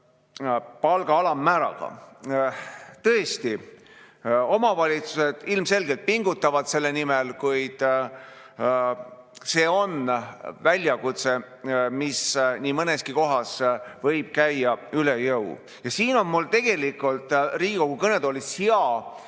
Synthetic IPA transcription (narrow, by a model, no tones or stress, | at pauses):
pɑlɡ̥ɑɑlɑmːæːɾɑ̰ɡ̥ɑ̰ | t̪ɤest̪i | o̞mɑvɑlʲit̪suse̞d̪̥ilmse̞lɡe̞lt̪̚piŋɡut̪ːˑɑvɑd̪̥se̞lːe̞nimelkujd̪̥ | se̞ːo̞nvælʲjɑkut̪se̞ | misniːmɤneskiko̞ɦɑsvɤjb̥̚kæjːɑylejɤw | jɑsiːno̞nmult̪e̞ɡ̥e̞likult̪ˑriːɡ̥iko̞ɡ̥ukɤne̞d̪olishiɑ